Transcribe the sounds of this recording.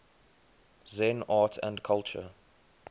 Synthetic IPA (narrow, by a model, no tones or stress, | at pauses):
zɛ̃naːtʰə̰̃ndkʰalt͡ʃə̰